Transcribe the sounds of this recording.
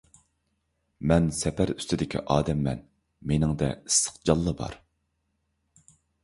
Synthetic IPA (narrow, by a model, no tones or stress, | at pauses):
mɛnsɛpʰæɾy̥st̪ɪd̪ɪkʲʰḭʔɑːd̪ɛmːɛn | menɪŋd̪ɛ̰i̥sːə̥q̚d͡ʒɑlˠːəbɑ̰ɾ